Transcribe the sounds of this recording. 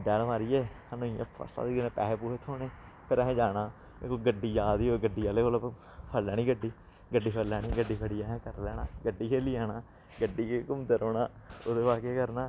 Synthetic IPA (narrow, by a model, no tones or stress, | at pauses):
ɖɛːɽʋaːɾiːɛː | anũːɪjã̰ːpʰə̰sta̰ːd̪inẽːpɛ̰ːɦepuːɦet̪ʰoːneː | pʰɪɾɛɦːd͡ʒaːnaː | koɡəɖːiːd͡ʒaːd̪iːoːɡəɖːiːaːleːkoːlə | pʰəlɛːniːɡəɖːiː | ɡəɖːiːpʰəlɛːniːɡəɖːiːpʰəɽiːaːɦɛ̃kəɾlɛːna̰ːɡəɖːiːkʰeːliːaːnaː | ɡəɖːiːkekʊmd̪eɾoːnaːoːd̪eːʋaːkeːkəɾnaː